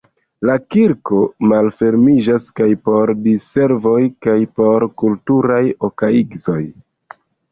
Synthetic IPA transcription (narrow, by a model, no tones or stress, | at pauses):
lakiɾko̞malfe̞ɾmid͡ʒaskajpo̞ɾdise̞ɾvo̞jkajpo̞ɾkultuɾajokaiɡzo̞j